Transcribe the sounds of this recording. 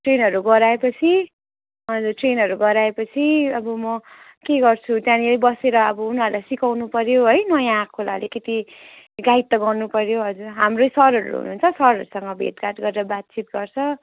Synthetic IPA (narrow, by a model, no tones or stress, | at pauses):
ʈrenɦʌɾuɡʌɾaepʌt͡sʰi | ɦʌd͡zurʈrenɦʌɾuɡʌɾaepʌt͡sʰiʌbʌmʌ | keɡʌrt͡sʰut̪jãnilajbʌseɾʌːbʌunʌɾulajsikawnupʌɾjoɦʌjnʌjãːkʰːola̰leket̪i | ɡait̪ːʌɡʌrnupʌɾjoɦʌd͡zurɦamrosʌɾʌɾ̰ɾṵɦṵnṵːnt͡sʰʌsʌɾʌɾusʌŋɡʌbʱḛʈkaʈɡʌɾeɾʌbat̪̚t͡sit̪̚ɡʌrt͡sʰʌ